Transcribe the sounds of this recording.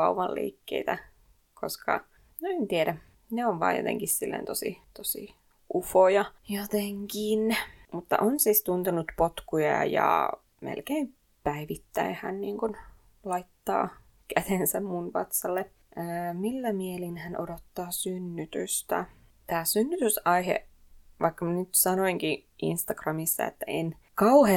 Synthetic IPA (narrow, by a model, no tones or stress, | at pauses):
ɑuʋɑllḭːkːḛit̪æ | kʰoskɑ̰ | noent̪ieɾæ | neoʋʋɑ̰ːjo̰t̪ḛ̃ŋkissilːḛnt̪osḭt̪osḭ | ʔufojɑjot̪eŋkinmut̪ːɑ̰ʔonsiːst̪unt̪unut̪pot̪kujɑ̰jɑ̰ | mḛlkeim | pæiʋit̪ːæihæ̰nniːŋkun | lɑit̪ːɑ̰ː | kæt̪ensæmmunʋɑ̰t̪sɑlːe | əːmilːæmielinhænʔodot̪ːɑːsynːyt̪yst̪æ̰ | t̪æːsynːyt̪ysɑiɦḛ | ʋʔɑ̰ikːɑmɑnyt̪sɑnoiŋkiʔḭnst̪ɑɡrɑmisːɑ̰ḛt̪ːæen | kɑuhe